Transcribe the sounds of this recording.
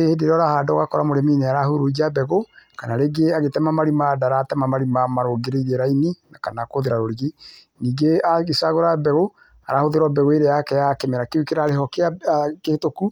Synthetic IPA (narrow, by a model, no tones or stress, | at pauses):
ehedeɾɔɾahaːdɔɣakɔɾamoɾemineaɾahuɾod͡ʒabɛɣokanaɾeɡeaɣetɛmamaɾimadaɾatɛmamaɾimamaɾoɡeɾeiɾeɾaininakanakoðeɾaɾoɾiɣi | niːɡeaɣesaɣoɾabɛɣo | aɾahoðeɾwɔbɛɣoeɾeakɛjakemɛɾakewukeɾaɾehɔkeakehtoku